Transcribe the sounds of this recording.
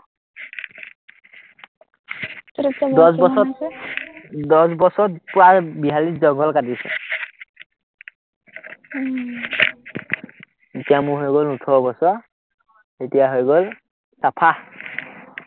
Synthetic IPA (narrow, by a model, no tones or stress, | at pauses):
dɔsbɔsɔ | dɔsbɔsɔtpɹabiɦaliszɔŋɡʱɔlkadisɛ̰ | etijamuɦojɡɔlnutʰɔbɔsɔa | etijaɦojɡɔl | sapʰa